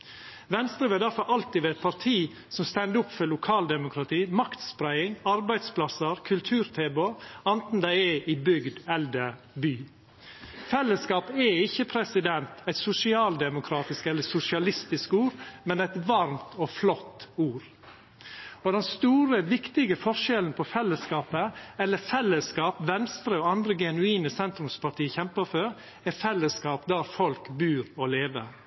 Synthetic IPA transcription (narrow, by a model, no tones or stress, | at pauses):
ʋɛnst̪ɾəʋeːd̪æɾfɔɾʔɑlt̪ɪʋɛɛt̪̚pʰɑɾt̪ʰiː | sɔmst̪ɛnd̪əʊpːfɔlʊkʰɑːld̪ɛmʊkʰɾɑt̪ʰiːmɑkt̪spɾæɪɪŋɑɾbæɪd̪spʰlɑsəɾkʰʉlt̪ʰʉːɾt̪ʰeːboɑnt̪n̩d̪æɪɛɪbʏɡd̪ɛld̪əɾ | byː | fɛlːəskɑːpɛɪçːəpʰɾɛsɪd̪ɛnt̪æɪt̪sʊsɪɑːld̪ɛmʊkʰɾɑːt̪ɪskɛlːəsʊsɪɑlɪst̪ɪskuːɾmɛnæɪt̪ʋɑɾmt̪ɔflɔt̪ːuːɾ | ɔd̪ɛnst̪uːɾəʋɪkt̪ɪɡəfɔʂɛlən̩pʰɔfɛlːəskɑːpəɛlːəfɛlːəskɑːpʋɛnst̪ɾəɔːɑnd̪ɾəɡɛnʉiːnəsɛnt̪ɾʉmspʰɑʈʰiːəçɛmpəføɾ | ɛɾfɛlːəskɑːpd̪æɾfɔlkbʉːɾɔːleːʋəɾ